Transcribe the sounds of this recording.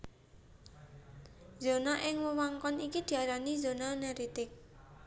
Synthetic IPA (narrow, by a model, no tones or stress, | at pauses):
zonaʔɪŋwəwaŋkɔnikid̪̥i̤aɾanizo̤nanɛɾit̪ɪk̚